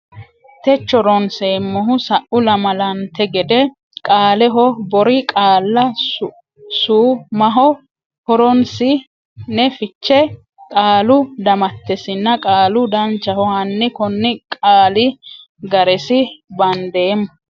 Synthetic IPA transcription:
t̪ɛt͡ʃːɔɾɔnseːmːɔɦʊsɐʔʊlɐmɐlɐnt̪ɛɡɛd̪ɛ | kʼaːlɛɦɔbɔɾɪkʼaːlːɐ | suːmɐɦɔ | hɔɾɔnsɪ | nɛfɪt͡ʃːɛ | kʼaːlʊd̪ɐmɐt̪ːɛsɪnːɐkʼaːlʊd̪ɐnt͡ʃːɐhɔhɐnːɪkɔnːɪkʼaːlɪ | ɡɐɾɛsɪbɐnd̪eːmː

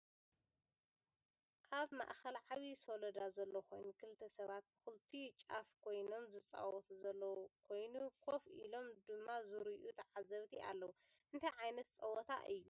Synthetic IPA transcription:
ʔaβma̰ʔxɐlʕaβisolɐd̪azɐlːokʰo̞jnukʰɨlt̪ʰɐsɐβat̪̚bɨxult̪ʰit͡ʃʼafkʰo̞jno̞mzɨt͡sʼa̰wɔt̪zɐlːowkʰo̞jnukʰo̞fʔḭlo̞md̪ɨmːazɨɾiʔut̪ʰɐʕazɐβt̪ʰiʔa̰lːɐwu | ʔɨnt̪ʰɐjʕajnɐt̪t͡sʼɐwɔt̪ʰa̰ʔɨjːu

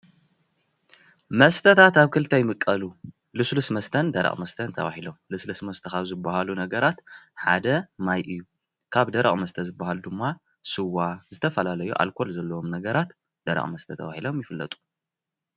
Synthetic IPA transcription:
mɐst̪ʰɐt̪ʰat̪aβkʰɨlt̪ʰɐjmɨkʼːɐlu | lɨslusmɐst̪ʰɐnd̪ɐɾɐ̰χʼmɐst̪ʰɐnt̪ʰɐ̰βa̰ħilomlɨslɨsmɐst̪ʰɐxaβzɨbːahalunɐɡɐɾat̪ħa̰d̪ɐmajʔɨjːu | kʰaβd̪ɐɾɐ̰χʼmɐst̪ʰɐzɨbːahalud̪ɨmːa | sɨwːazɨt̪ʰɐfɐlalɐjṵʔa̰lkʰo̞lzɐlːɐwomnɐɡɐɾat̪ | d̪̥ɐɾɐ̰χʼmɐst̪ʰɐt̪ʰɐ̰βa̰hilo̞mjɪfɨlːɐ̰t̪ʼu̥

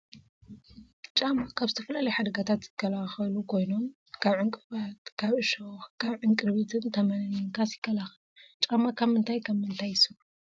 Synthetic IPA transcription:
t͡ʃʼamakʰaβzɨt̪ʰɐfɐlalɐjħad̪ɐɡat̪ʰat̪z̥ɨkʰːɐlaxɐlukʰo̞jno̞m | kʰaβʕɨŋkʼɨβat̪kʰaβʔɨʃoxkʰaβʕɨŋkʼɨɾβit̪ʰɨnt̪ʰɐmɐnɐnɨŋkʰasjɪkʰːɐlaxɐlut͡ʃʼamːakʰaβmɨnt̪ʰajkʰɐβmɨnt̪ʰajsɨlu

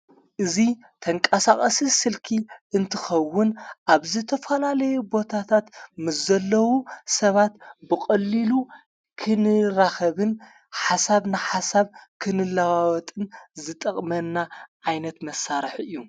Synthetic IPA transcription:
ʔɨzi | t̪ʰɐŋkʼɐsaχʼɐsisɨlkʰiʔɨnt̪ʰɨxɐwːʊnʔaβzɨt̪ʰɐfɐlalɐjubo̞t̪ʰat̪ʰat̪mɨszɐlːɐwusɐβat̪bɨkʼɐlːilu | kʰɨnɨɾaxɐβɨn | ħasaβnaħasaβkʰɨnɨlːawawɔt̪ʼɨnzɨt̪ʼɐχʼmɐnːaʕajnɐt̪mɐsːaɾɨħɨjːu

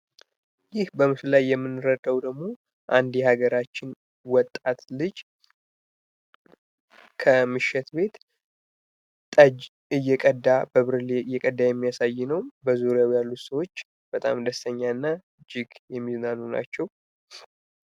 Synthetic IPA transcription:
jɪhbəmɨʃɨlajːɛmːɨnːɨɾəd̪əwd̪əɡmo̞ | ʔand̪jɛhaɡəɾat͡ʃːɪn | wɔt̪ʼːat̪lɨd͡ʒ | kʰəmɨʃːɛt̪be̞t̪ | t̪ʼəd͡ʒ | ɨjːɛkʼəd̪ːabəβɨɾɨleɨjːɛkʼəd̪ːajɛmːijasajːɪnəwbəzuɾjawjalːusəwo̞t͡ʃː | b̥ət̪ʼa̰md̪əst̪ʰəɲːaɨnːa | d͡ʒɪɡjɛmːiznanuna̰t͡ʃːɛw

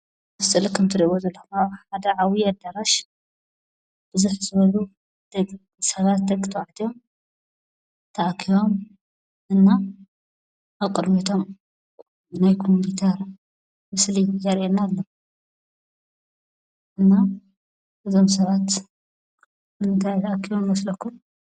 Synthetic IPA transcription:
mɨst̪ʼɨlkʰɐmt̪ʰɨɾiβozɐlːxunaħad̪ɐʕawiɐd̪aɾaʃ | b̥ɨzuħzɨβɐlu | d̪̥ɐɡ | sɐβat̪̚d̪ɐkʼɨt̪ʰɐwʕt̪ʰijo̞m | t̪ʰɐʔakʰiwo̞m | ʔɨnːa | ʔaβkʼɨd̪mit̪ʰo̞m | bɨnajkʰomubit̪ʰɐɾ | mɨslizɐɾʔenalːo | ʔɨnːa | ɨzo̞msɐβat̪ | mɨnnt̪ʰajt̪ʰɐʔakʰːiomwɐslɐkʰːum

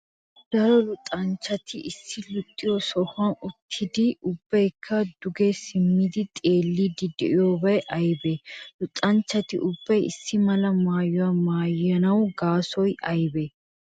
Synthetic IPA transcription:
d̪̥ɐɾɔlʊt̪ʼɐnt͡ʃːɐt̪ʰɪʔɪsːɪlʊt̪ʼːɪjɔsɔhɐnʊt̪ʰːɪd̪ɪʔʊbːɐjkʰːɐd̪ʊɡesɪmːɪd̪ɪt̪ʼe̞ːlːid̪ɪd̪ɪʔɪjoːbɐjʔɐjbɛlʊt̪ʼːɐnt͡ʃːɐt̪ɪ̰ʔʊbːɐjɪsːɪmɐlɐmaːjʊwɐmaːjɐnɐwɡaːsɔjʔɐjbɛ

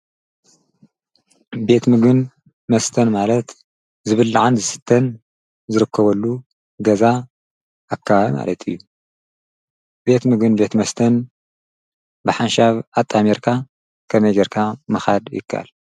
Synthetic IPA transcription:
be̞t̪mɨɡɨn | mɐst̪ʰɐnmalɐt̪ | zɨβɨlːʕanzɨsɨ̥t̪ʰːɐn | zɨɾɨkʰːɐβɐlːu | ɡɐza | akʰːaβama̰lɐt̪ʰɨ̰jːu | be̞t̪mɨɡɨnbe̞t̪mɐst̪ʰɐn | bɨħanʃaβat̪ʼːameɾkʰa | kʰɐmɐjɡɐɾkʰamɨxad̪jɪ̰kʰːa̰ʔa̰l

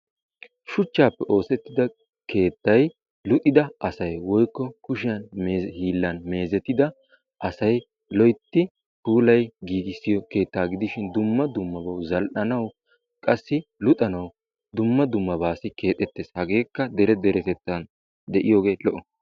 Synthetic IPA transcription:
ʃʊt͡ʃːaːpːɛʔo̞ːsɛt̪ːɪd̪ɐ | kʰe̞ːt̪ːɐj | lʊt̪ʼɪd̪ɐʔɐsɐjwɔjkːɔkʊʃɪjɐnmehiːlːɐnme̞ːzɛt̪ːɪd̪ɐ | ʔɐsɐj | lɔjt̪ːɪ | huːlɐjɡiːɡɪsːɪjɔke̞ːt̪ːaːɡɪd̪ɪʃɪnd̪ʊmːɐd̪ʊmːɐbɐwzɐlʔɐnɐw | kʼɐsːɪlʊt̪ʼɐnɐw | d̪ʊmːɐd̪ʊmːɐbaːsɪke̞ːt̪ʼːɛt̪ːe̞ːshɐɡe̞ːkːɐd̪ɛɾɛd̪ɛɾɛt̪ɛt̪ːɐn | d̪ɛʔɪjo̞ːɡe̞ːlɔʔɔ

